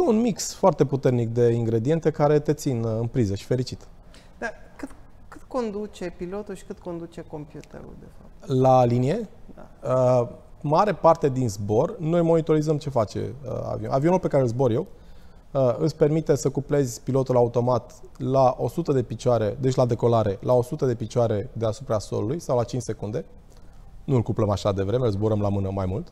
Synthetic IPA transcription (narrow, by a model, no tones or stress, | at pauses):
unmiksfoart̪e̞put̪e̞rnik̚d̪e̞iŋɡɾe̞d̪ie̞nt̪e̞kaɾe̞t̪e̞t̪sinɨnpɾizəʃi̥fe̞ɾit͡ʃit̪ | d̪akɨt̪ | kɨt̪ko̞nd̪ut͡ʃe̞pilo̞t̪ulʃi̥kɨt̪ko̞nd̪ut͡ʃe̞ko̞mpjut̪ḛɾṵld̪efap̪̚lalinije̞aəmaɾe̞part̪e̞d̪inzbo̞rno̞jmo̞nit̪o̞ɾizəmt͡ʃe̞fat͡ʃḛə̰a̰vio̰ʔavioulpe̞kaɾeɨlzbo̞ɾje̞w | əɨspermit̪e̞səkuple̞zʲpilo̞t̪ulaut̪o̞mat̪laʔo̞sut̪əd̪e̞pit͡ʃoaɾe̞d̪e̞t͡ʃʲlad̪e̞ko̞laɾe̞lao̞sut̪əd̪e̞pit͡ʃoaɾe̞d̪e̞asupɾaso̞̰lulujsawlat͡ʃint͡ʃʲse̞kund̪e̞ | nuɨlkupləmaʃad̪e̞vɾe̞meɨlzbo̞ɾəmlamɨnəmajmult̪